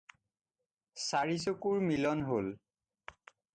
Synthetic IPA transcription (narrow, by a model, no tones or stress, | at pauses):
saɹisokuɹmilɔnɦol